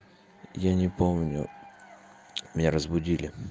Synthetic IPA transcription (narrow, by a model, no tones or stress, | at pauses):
janʲɪpo̞mnʲʊ̰ | mʲɪnʲaɾəzbʊdʲilʲɪ